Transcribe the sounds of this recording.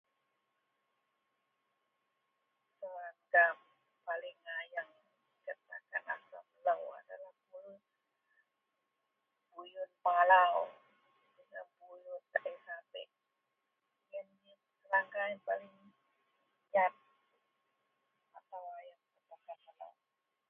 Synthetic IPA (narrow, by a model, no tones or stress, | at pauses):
səlaŋɡam | palɪŋajaŋ | kət̪akana̰sa̰mləwa̰dalahkulu | bujʊnpalaw | d͡ʒinabujʊnt̪aʔisapɛ̰ʔ | jənja | səlaŋɡajaŋpalɪŋ | ɲat̪̚ | at̪awajaŋkət̪akanala̰w